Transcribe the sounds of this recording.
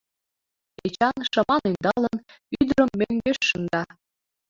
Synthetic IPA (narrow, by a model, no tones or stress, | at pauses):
et͡ɕɑnʃɤ̆mɑnynd̪ɑlən | yd̪əɾə̆mːøŋɡeʃːə̆nd̪ɑ